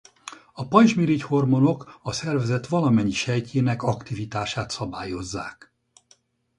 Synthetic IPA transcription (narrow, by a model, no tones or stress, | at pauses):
ɒpɒjʒmiɾicho̞rmo̞no̞kɒsɛrvɛzɛt̪ʋɒlɒmɛɲːiʃɛjcʰeːnɛkɒkt̪ivit̪aːʃaːt̪sɒbaːjo̞zːa̰ːk